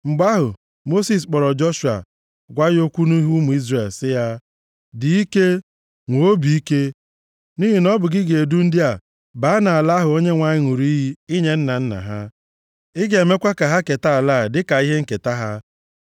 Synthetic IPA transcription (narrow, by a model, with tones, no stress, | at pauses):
ŋ͡m̩˨ɡ͡ba˦ɦʊ˨ | mo˦si˦˨s̬k͡pɔ˨ɾɔ˨d͡ʒɔ˦ʃu˨a̰˨ | ɡʷa˦jo˦kʷu˦nu˦ɦu˦mu˨i˦zɾe˨lsɪ˦ja˦ | dɪ˨i˦ke˦ | ŋʷo˨o˦bi˨i˦ke˦ | ni˦ɦi˨nɔ˦bʊ˨ɡɪ˦ɡe˨du˦n̩˦dɪ˦a˨ | baː˨˦a˦na˨a˨la˦ɦʊ˨o˦ɲe˦ŋʷa˨ɲɪ˦ŋu˨ɾi˦ɦi˦i˦ɲe˦n̩˦na˨n̩˦na̰˨ɦa˦ | ɪ˦ɡe˨me˦kʷa˦ka˨ɦa˦ke˨ta˦a˨la˦˨dɪ˦ka˨i˦ɦe˦ŋ̩˦ke˨ta˦ɦa˦